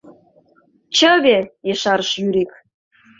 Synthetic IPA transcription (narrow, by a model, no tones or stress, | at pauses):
t͡ɕəβejeʃɑɾəʃjyɾek̚